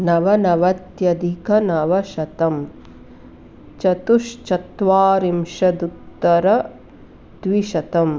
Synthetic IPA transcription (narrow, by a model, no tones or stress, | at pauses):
nɐʋɐnɐʋɐt̪jɐd̪ʱikʰɐnɐʋɐʃɐt̪ɐm | t͡ʃɐt̪uʂt͡ʃɐt̪ʋaːɾimʃɐd̪ut̪ːɐɾɐ | d̪ʋiʃɐt̪ɐm